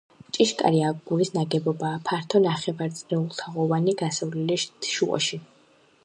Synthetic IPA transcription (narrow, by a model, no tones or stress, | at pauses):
t͡ʃʼiʃkʼa̰ɾiaɡɡuɾisnaɡɛbɔbaːpʰaɾt̪ʰɔnaχɛvaɾt̪sʼniulˠt̪ʰaʁɔvaniɡasavlɛlit̪ʰʃuqʼɔ̰ʃi